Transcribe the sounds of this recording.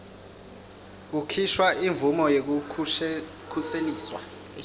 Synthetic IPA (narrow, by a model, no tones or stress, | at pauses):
k̬ukʰiʃwaiɱvumɔjek̬u | kʰuseliːswa̰